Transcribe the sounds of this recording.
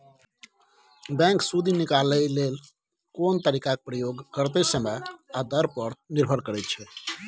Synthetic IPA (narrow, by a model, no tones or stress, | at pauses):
bɛ̃ksud̪ʱinikaləlel | kont̪əɾikak̚pɾəjoɡkəɾt̪esəməad̪əɾpəɾniɾbʱəɾkəɾɛt̪̚t͡ʃʰɛ